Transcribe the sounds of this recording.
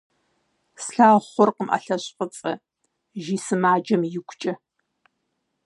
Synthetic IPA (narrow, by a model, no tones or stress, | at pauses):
sɬaːχʷʊrqəmʔɐ̰ɬɐɕʼqʼət͡sʼɐ | ʒiːsɨmaːd͡ʒɐmjɪkʷʰt͡ʃʼɐ